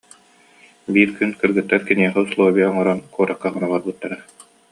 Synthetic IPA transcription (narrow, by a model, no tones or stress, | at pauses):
biːɾkynkɯɾɡɯt̪ːaɾkiniɛχɛuslˠuɔbiaɔŋɔɾankuɔɾakːaχɯnaβaɾbɯt̪ːaɾa